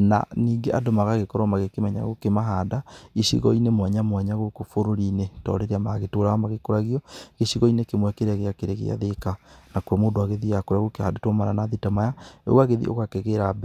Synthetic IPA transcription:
na̰niːŋɡeʔadomaɣaɣekɔɾamaɣekemɛɲa̰ɣokemaɦaːdaiʃḭɣɔinemwɛɲamwɛɲaɣokofoɾoɾinetɔ̰ːɾeɾeamaɣetoɾamaɣekoɾaɣiɔɣeʃiɣɔinekemwɛkeɾaɣeakeɾeɣḛa̰ðekanakɔmoːdoaɣeðiakoɾaɣokehadetomaɾanaðitamaja̰ɣwaɣeðḭʔo̰ɣakɛɣeɾabɛ

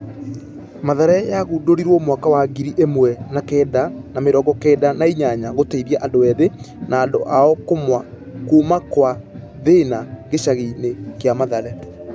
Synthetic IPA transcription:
maðaɾɛjaɣuːdoɾiɾwɔmwakawaɡiɾiʔemwɛnakɛːdanameɾɔːɡɔkɛːdanaiɲaɲaɣoteiɾiaʔandoɛðe | naːndo̰ʔaɔkomwa | kuːmakwa | ðenaɡeɕaɣinekjamaðaɾɛ

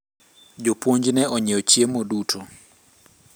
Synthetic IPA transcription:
d͡ʒopwoɲd͡ʒnɛɔɲɛɔt͡ʃjemodutʰo

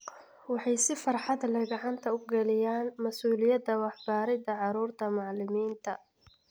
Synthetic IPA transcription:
wɑħɑjsɪfɑrħɑd̪lɐjɡɐʕɑnt̪ʰɐʊɡɐlɪjaːnmɐsuːlɪjɐd̪ɐwɑħbaːɾɪd̪ɐʕɑɾuːrt̪ʰɐmɑʕlɪmiːnt̪ʰɐ

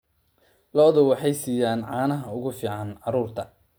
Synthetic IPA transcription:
lɔːðʊwɑħɑjsiːjaːnʕɑːnɐɦɐʊɣʊfiːʕɑnʕɑɾuːrt̪ʰɐ

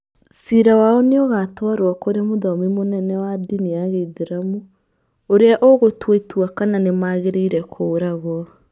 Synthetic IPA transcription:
siɾawaɔneɔɣatwaɾwakoɾemoðɔmimonɛnɛwadiniaɣeiðeɾamu | oɾeaʔoɣotweitwakananemaːɣeɾeiɾɛkʰoːɾaɣwɔ

